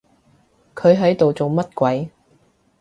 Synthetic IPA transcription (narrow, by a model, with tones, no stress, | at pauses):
kʰɵ˨˧ɥɦɐ˨˥jt̪o˨wt͡so˨wmɐ˥t̚kʷɐ˨˥j